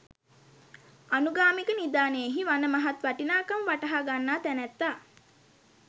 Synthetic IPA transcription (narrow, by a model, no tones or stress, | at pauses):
anuɡaːmikənid̪aːneeɦiʋanəmaɦat̪ʋaʈinaːkamʋaʈɐɦaɡanːaːt̪ænæt̪ːa